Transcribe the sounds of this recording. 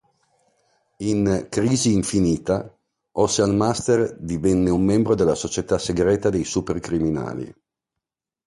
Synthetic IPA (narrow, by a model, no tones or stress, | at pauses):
iŋkɾiːziːɱfiniːt̪a | ʔɔsalmast̪erd̪ivɛnːeumːɛmbɾod̪elːasot͡ʃet̪aseɡɾɛːt̪ad̪ejsuperkɾimina̰ːlḭ